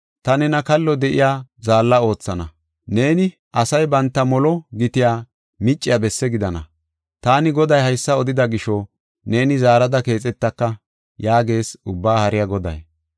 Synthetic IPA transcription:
t̪ɐnɛnɐkɐlːɔd̪ɛʔɪ̰jaːzaːlːɐo̞ːt͡sːɐnɐ | ne̞ːnɪ | ʔɐsɐjbɐnt̪ːɐmɔlɔɡɪt̪ɪjaː | mɪt͡ʃʼːɪjɐbɛsːɛɡɪd̪ɐnɐ̰ | t̪aːnɪɡɔd̪ɐjhɐjsːɐɔd̪ɪd̪ɐɡɪʃɔ | ne̞ːnɪzaːɾɐd̪ɐke̞ːt͡sʼɛt̪ːɐkːɐ | jaːɡe̞ːsʊbːaːhɐɾɪjɐɡɔd̪ɐ̰j

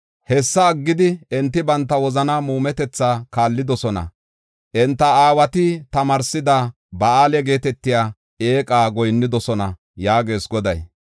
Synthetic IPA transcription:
hɛsːɐːɡːɪd̪ɪɛnt̪ːɪbɐnt̪ːɐwɔzɐnɐmuːmɛt̪ɛt͡sːaːkaːlːɪd̪ɔsɔnɐ̰ | ʔɛnt̪ːɐaːwɐt̪ɪt̪ɐmɐɾsɪd̪ɐ | bɐaːlɛɡe̞ːt̪ɛt̪ːɪjaː | e̞ːkʼaːɡɔjnːɪd̪ɔsɔnɐ̰ | jaːɡe̞ːsɡɔd̪ɐj

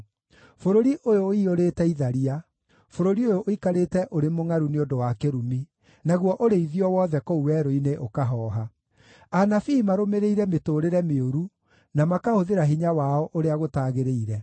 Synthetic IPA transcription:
foɾoɾiʔojoioɾeːtɛiðaɾia | foɾoɾiojoʔoikaɾeːtɛʔoɾemoŋaɾuneodowakeɾumi | naɣwɔʔoɾeiðiɔwɔːðɛkouwɛɾoineʔokaɦɔːɦa | anafimaɾomeɾeiɾɛmetoɾeɾɛmeoɾu | namakahoðeɾaɦiɲawaɔʔoɾeaɣotaːɣeɾeiɾɛ

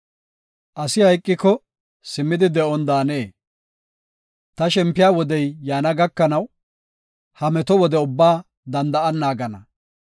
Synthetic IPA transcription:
ʔɐsɪhɐjkʼːɪkːɔ | sɪmːɪd̪ɪd̪ɛʔɔnd̪aːneː | t̪ɐʃɛmpːɪjaːwɔd̪ɛjːaːnɐɡɐkːɐnɐw | hɐmɛt̪ɔwɔd̪ɛʊbːaː | d̪ɐnd̪ɐʔɐnːaːɡɐnɐ

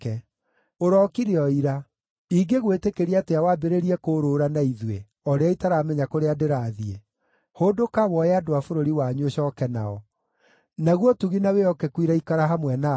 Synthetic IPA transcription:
ɛ | oɾɔkiɾeɔiɾa | iɡeɣwetekeɾiateawabeɾeɾiɛkoɾoːɾanaiðwe | ɔɾeaitaɾamɛɲakoɾeadeɾaðie | hoːdokaβwɔeadoafoɾoɾiwaɲuoɕɔkɛna̰ɔ | naɣwɔtuɣinaweɔkɛkwiɾaikaɾaɦamwɛna

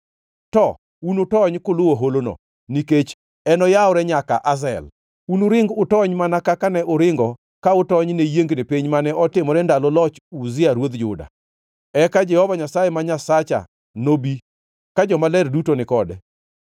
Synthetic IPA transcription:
tɔ | unʊtɔɲkʊlʊwoɦolono̰ | niket͡ʃ | ɛnɔjaʊɾɛɲaka̰ʔazɛ̰l | unʊɾɪŋɡʊtɔɲmanakakanɛʔʊɾɪŋɡɔ | kaʊtɔɲnejeŋɡnepiɲmanɛɔtɪmɔɾɛndalɔlɔt͡ʃuzɪaɾwod̪d͡ʒʊ̰da̰ | ɛkad͡ʒɛhɔvaɲasajɛmaɲasat͡ʃa̰ | nobi | kad͡ʒɔmalɛrdutonɪkɔdɛ̰

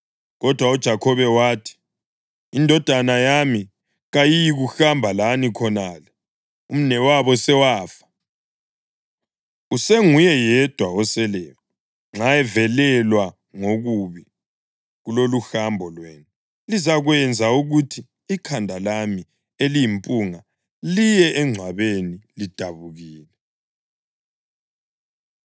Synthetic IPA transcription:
ɣɔd̥ʱwaud̥ʒ̥ʱakʰɔβɛwaːtʰi̥ | indʱɔd̥ʱanajami | ɣajijiɣuxambʱalanikʰɔnalɛ | um̩nɛwaβɔsɛwaːfḁ | useŋujɛjɛd̥ʱwaɔsɛlɛːjɔ | ŋ͡ǁajɛvɛlɛlwa | ŋoɣuβi | ɣuloluxambʱɔlweːni | lizaɣwɛnd͡zʱauɣutʰi | ikʰandʱalami | elijimpʼuŋa | lijɛʔɛŋ͡ǀʱwaβenilid̥ʱaβuɣiːlɛ

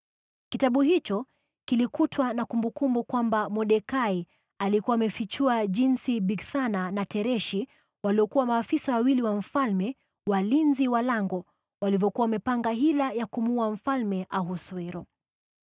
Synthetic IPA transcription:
kitaɓuɦit͡ʃɔ | kilikutʰwanakumbukumbukwambamɔɗɛkai | alikuwaːmɛfit͡ʃuaʄinsiɓiɡθananatɛɾɛʃi | waliɔkuwamaːfisawawiliwaɱ̩falmɛ | walinziwalaŋɡɔ | walivjɔkuwaamɛpaŋɡaɦilajakumuam̩falmɛʔaɦuswɛɾɔ

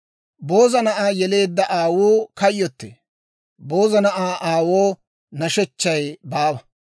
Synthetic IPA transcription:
bo̞ːzɐnɐʔaːjɛle̞ːd̪ːɐʔaːwuːkɐjːɔt̪ːe | bo̞ːzɐnɐʔaːʔaːwoː | nɐʃɛt͡ʃːɐjbaːbɐ

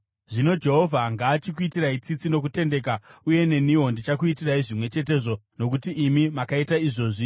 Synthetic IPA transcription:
ʐino̞d͡ʒe̞ɦo̞vʱaŋɡaːt͡ʃikuitirait͡sit͡sino̞kute̞nde̞k̬auje̞ne̞nio̞ndit͡ʃakuitiraiʐimwe̞t͡ʃe̞t̬e̞ːʐo̞no̞kutiːmimakaitaiʐo̞ːʐi

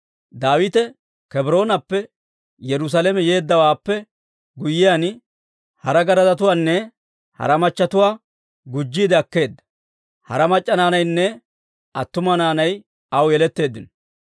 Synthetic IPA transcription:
d̪aːwɪt̪ɛ | kɛbɾo̞ːnɐpːɛ | jɛɾʊs̬ɐlɛmɛje̞ːd̪ːɐwaːpːɛ | ɡʊjːɪjan | hɐɾɐɡɐɾɐzɐt̪ʊwaːnːɛ | hɐ̰ɾɐmɐt͡ʃːɐt̪ʊwaː | ɡʊd͡ʒːiːd̪ɛɐkːe̞ːd̪ːɐ̥ | hɐ̰ɾɐmɐt͡ʃʼːɐnaːnɐjnːɛ | ɐt̪ːʊmɐnaːnɐj | ɐwjɛlɛt̪ːe̞ːd̪ːɪnɔ

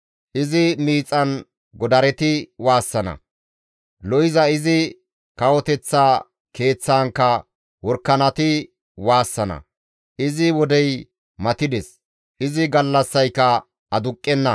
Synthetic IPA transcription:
ʔɪzɪmiːt͡sʼːɐn | ɡɔd̪ɐɾɛt̪ɪwaːsːɐnɐ̰ | lɔjɪzɐɪzɪ | kɐwɔt̪ɛt͡sːaː | ke̞ːt͡sːaːŋkːɐ | wɔɾkːɐnɐt̪ɪ | waːsːɐnɐ̰ | ʔɪzɪwɔd̪ɛj | mɐt̪ɪd̪ɛs | ʔɪzɪɡɐlːɐsːɐjkːɐ | ɐd̪ʊkʼːɛnːɐ

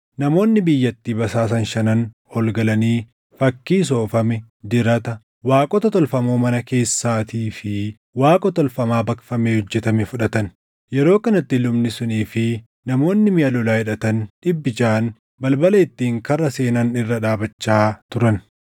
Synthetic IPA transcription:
nɐmo̞ːnːɪbɪjːɐt̪ːiːbɐsaːs̬ɐnʃɐnɐn | hɔlɡɐlɐniː | fɐkːiːs̬o̞ːfɐmɛ | d͡ʒ̪ɪɾɐt̪ɐ | waːkʼɔt̪ɔt̪ɔlfɐmoːmɐnɐke̞ːsːaːt̪iːfɪ | waːkʼɔt̪ɔlfɐmaːbɐkfɐmeːhɔd͡ʒːɛt̪ɐmɛfʊᶑɐt̪ɐn | jɛɾo̞ːkɐnɐt̪ːɪlʊmnɪsʊniːfɪ | nɐmo̞ːnːɪmɪjɐlʊlaːhɪᶑɐt̪ɐnᶑɪbːɪt͡ʃaːn | bɐlbɐlɐɪt̪ːiːŋkɐrːɐse̞ːnɐnɪrːɐᶑaːbɐt͡ʃːaːt̪ʊɾɐn

